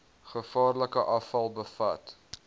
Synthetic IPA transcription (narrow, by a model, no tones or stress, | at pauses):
χəfɑːrləkəʔɐfɐlˠbəfɐt